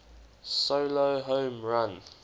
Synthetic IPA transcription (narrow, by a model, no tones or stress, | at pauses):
soʊloɦõːmɹãn